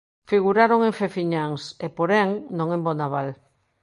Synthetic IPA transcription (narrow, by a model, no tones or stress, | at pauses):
fiɣuɾaɾoŋẽɱfefiɲaŋsepoɾɛŋnõŋẽmbonaβal